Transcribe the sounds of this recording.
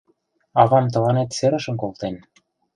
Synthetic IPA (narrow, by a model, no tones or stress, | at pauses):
ɑβɑmt̪̬ɤ̆lɑnet̪seɾə̆ʃə̆mkolˠt̪en